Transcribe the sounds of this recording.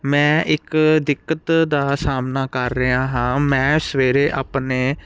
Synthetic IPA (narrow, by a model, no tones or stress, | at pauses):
mɛ̃ːʔɪkd̪ɪkːət̪d̪aːsaːmnaːkəɾːəɦaːɦãːmɛ̃ːsʋeːɾeːʔaːpneː